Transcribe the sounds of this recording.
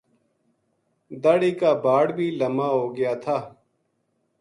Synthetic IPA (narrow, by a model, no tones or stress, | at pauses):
d̪aːɽiːkaːbaːɽbʱiːləmaːɦoːɡɪjaːt̪ʰaː